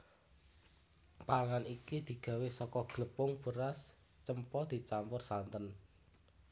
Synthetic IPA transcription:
paŋanikid̪̥i̤ɡ̥ä̤wesɔkɔɡ̥ləpʊŋb̥əɾas | t͡ʃəmpɔd̪̥i̤t͡ʃampʊrsant̪ən

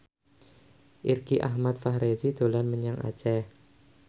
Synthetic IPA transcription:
ʔirɡ̥iʔaɦmat̪faɦɾezid̪̥o̤lanməɲaŋʔa̰t͡ʃɛ

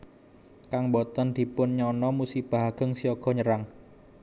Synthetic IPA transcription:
kaŋbɔt̪ənd̪̥i̤pʊnɲɔnɔmusib̥a̤ɦaɡ̥ə̤ŋsiɔɡ̥ɔ̤ɲəɾaŋ

